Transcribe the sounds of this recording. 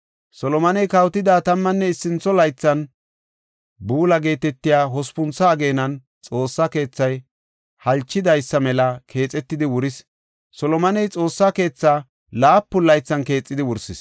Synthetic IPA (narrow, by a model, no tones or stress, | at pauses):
sɔlɔmɐnɛjkɐwt̪ɪd̪aːt̪ɐmːɐnːɛɪsːɪnt͡sːɔlɐjt͡sːɐn | buːlɐɡe̞ːt̪ɛt̪ːɪjaːɦɔspʊnt͡sːɐːɡe̞ːnɐn | t͡sʼo̞ːsːɐke̞ːt͡sːɐj | hɐlt͡ʃːɪd̪ɐjsːɐmɛlɐkʰe̞ːt͡sʼɛt̪ːɪd̪ɪwʊɾɪs | sɔlɔmɐnɛjt͡sʼo̞ːsːake̞ːt͡sːa | laːpːʊlɐjt͡sːɐnke̞ːt͡sʼːɪd̪ɪwʊɾsɪs